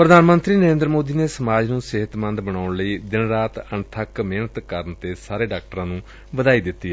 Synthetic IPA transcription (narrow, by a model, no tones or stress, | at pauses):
pɾəd̪aːnmə̃nt̪ɾiːnəɾẽːnd̪ɾmoːd̪iːneːsəmaːd͡ʒnũːsɪɦət̪mə̃nd̪bəɳaːʊɳləiːd̪ɪnɾaːt̪əɳt̪ʰəkmeːnət̪kəɾənt̪eːsaːɾeːɖaːk̚ʈɾãːnũː | ʋəd̪aːiːd̪ɪt̪ːiː